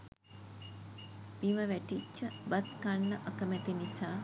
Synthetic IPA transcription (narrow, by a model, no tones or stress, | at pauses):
miʋəʋæʈit͡ʃːəbɐt̪kaɳːəʔakəmɛt̪inisaː